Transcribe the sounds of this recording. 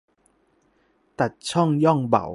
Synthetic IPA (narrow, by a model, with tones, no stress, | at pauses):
t̪ɐ˨˩t̚t͡sʰɔ˥˨ŋjɔ˥˨ŋbɐ̰˨˩w